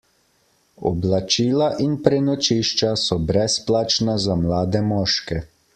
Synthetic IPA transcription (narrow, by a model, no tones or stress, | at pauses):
ɔ̰blat͡ʃiːlaʔinpɾɛnɔt͡ʃiʃt͡ʃasɔbɾɛsplaːt͡ʃnazamlaːd̪ɛmɔːʃkɛ